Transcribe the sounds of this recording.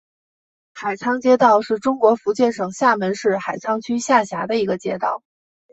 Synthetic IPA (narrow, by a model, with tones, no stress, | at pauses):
xa˨˩ɪt͡sʰɑ˥ŋt͡ɕjɛ˥t̪ɑ˥˧ʊʂɻ̩˥˩ʈ͡ʂʊ˥ŋkwɔ˧˥fu˧˥t͡ɕjɛ˥˩nʂɤ˨˩ŋɕja˥˩mə˧˥nʂɻ̩˥˩xa˨˩ɪt͡sʰɑ˥ŋt͡ɕʰy˥ɕja˥˩ɕja˧˥d̪ə˧i˧˥ɡə˧t͡ɕjɛ˥t̪ɑ̰˥˩ʊ